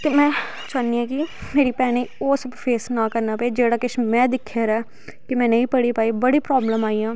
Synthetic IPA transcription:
t̪emɛ̃ː | t͡ʃaniːɛːkimeːɾiːpɛːneoːsəbfʰeːsnãːkəɾnaːpɛeːd͡ʒeːɽaːkɪʃmɛ̃ːd̪ɪkʰːeːɾɛː | kɪmɛ̃ːnə̃ĩːpəɽiːpaːiːbəɽiːpɾɔːbləmaːiːãː

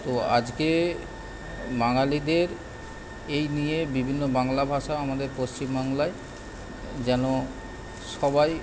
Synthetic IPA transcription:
t̪oa̰d͡ʑke | baŋalid̪eɾ | ejnijebibʱinːobaŋlabʱaʃaamad̪eɾpost͡ɕimbaŋlae | d͡ʑɛno | ʃɔbaj

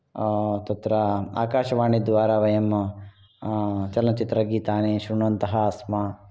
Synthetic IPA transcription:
t̪ɐt̪ɾɐa̰ːkaːʃɐʋaːɳid̪ʋaːɾaʋɐjɐm | t͡ʃɐlɐnɐt͡ʃit̪ɾɐɡiːt̪aːneːʃɾuɳɐnt̪ɐɦɐːsmɐ

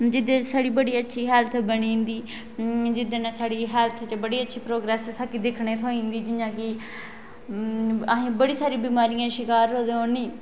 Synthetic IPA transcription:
d͡ʒɪd̪ẽːsaːɽiːbəɽiːətːʃʰiːɦɛːlt̪ʰbəɳĩːnd̪iː | d͡ʒɪd̪eːnãːsaːɽiːɦɛːlt̪ʰt͡ʃbəɽiːətːʃʰiːpɾoːɡɾɛːssakid̪ɪkʰɳeːt̪ʰoːĩːnd̪iːd͡ʒɪjãːkɪ | əɦẽːbəɽiːsaːɾĩːbiːmaːɾijãːʃɪkaːɾɦoːd̪eːõːniː

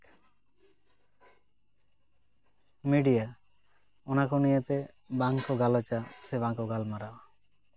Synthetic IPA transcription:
miɖija | onakonijat̪ebaŋkoɡalat͡ɕaseβaŋkoɡalmaɾa

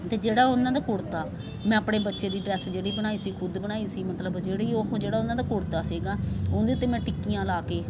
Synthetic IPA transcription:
t̪eːd͡ʒeːɽaːonːãːd̪aːkʊɽt̪aː | mɛ̃ːəpɽeːbətːʃeːd̪iːɖɾɛːsd͡ʒeːɽiːbəñaːiːsiːkʰʊd̪bənaːiːsiːmət̪ləbd͡ʒeːɽiːoːd͡ʒeːɽaːʊnːãːd̪aːkʊɽt̪aːsiːɡaːoːnd̪eːʊt̪ːeːmɛ̃ːʈɪkːijãːlaːkeː

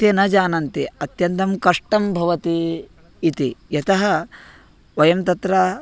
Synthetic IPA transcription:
enɐd͡ʒaːnɐnt̪iɐt̪jɐnt̪ɐmkɐʂʈɐmbʱɐʋɐt̪iː | t̪ijɐt̪ɐɦɐ | ʋɐjɐmt̪ɐt̪ɾɐ

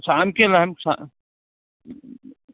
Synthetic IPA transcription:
saːmkelɐɦmsa̰

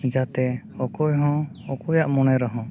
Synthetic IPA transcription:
d͡ʒat̪ɛ | ɔkɔjɦɔ̃ɔkɔjaʔmɔnɛɾɔɦɔ̃

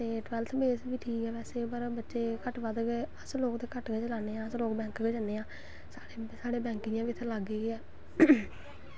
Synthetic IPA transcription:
t̪eːʈʋɛːlt̪ʰbeːsbiːʈʰiːkɛːʋɛːseːpəɾbətːʃeːkəʈʋəd̪ɡeəsloːkt̪eːkəʈɡeːt͡ʃəlaːneːãːəsloːkbɛ̃ːŋkɡeːd͡ʒəneːãː | sḁːɽeːsaːɽeːbɛ̃ːŋkɪãːbiːt̪ʰːelaɡeːɡeːɛː

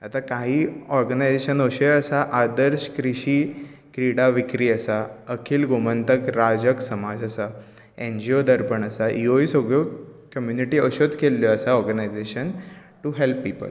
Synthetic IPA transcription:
at̪akaɦiːɔɾɡənajd͡zeɕənoɕeəsaʔad̪əɾɕkɾiɕiːkɾiɽaʋikɾiːəsaəkʰiːlɡomənt̪əkɾad͡ʑəksəmad͡zəsa | ẽnd͡ʑiod̪əɾpəɳəsaʔioisoɡɭokəmjuniʈiːəɕod̪ʱkelːoəsaɔɾɡənajd͡zeɕən | ʈuɦelpːiːpə̰l

